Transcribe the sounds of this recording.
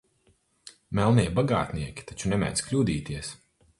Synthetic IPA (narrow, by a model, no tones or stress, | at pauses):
mɛlˠniɛbaɡa̰ːt̪niɛkʲi̥t̪at͡ʃunɛmʲɛ̰ːd̪sklʲuːd̪iːt̪iɛs